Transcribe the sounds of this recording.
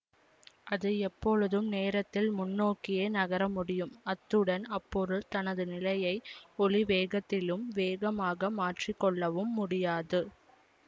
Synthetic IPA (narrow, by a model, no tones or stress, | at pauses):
ʔɐðɯɛpːɔɻɯðɯmneːɾɐt̪ːɪlmʊnːoːkːɪjeːnɐɣɐɾɐmʊɽɪjɯmɐt̪ːɯɽɐnɐpːɔɾɯlt̪ɐnɐðɯnɪlɐjɐɪɔɭiʋeːɣɐt̪ːɪlɯmʋeːɣɐmaːɣɐmaːʈrɪkːɔɭːɐʋɯmːʊɽɪjaːðɯ